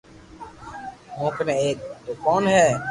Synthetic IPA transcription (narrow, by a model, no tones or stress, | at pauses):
mõːkneeːk̚t̪oːkɔːnɦɛː